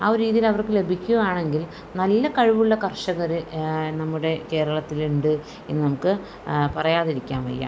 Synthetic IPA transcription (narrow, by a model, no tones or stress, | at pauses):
aoɾiːðijilɐʋɐrkɨle̞bʱikʲːuaːɳe̞ŋɡil | nɐlːɐkɐɻiʋuɭːɐkɐrʂɐɣɐɾɨnɐmːuɽe̞ke̞ːɾɐɭɐt̪ːiluɳɖɨ | enːɨnɐmukːɨ | pɐrɐjaːðiɾikʲːaːnʋɐ̰jːa̰ː